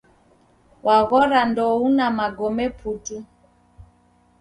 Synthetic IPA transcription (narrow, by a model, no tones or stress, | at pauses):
wʔaɣɔɾandɔunamaɡɔmɛpʰutu